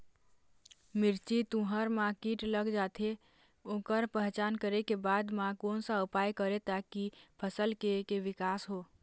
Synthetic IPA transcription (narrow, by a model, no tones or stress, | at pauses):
mɪɾt͡ʃit̪ũɦəɾmãkiʈləɡd͡ʒaːt̪ʰe | õːkəɾpəɦt͡ʃaːnkəɾekebad̪mãkoːnsaʊpajkəɾet̪akipʰəsəlkekeʋɪkaːsɦoː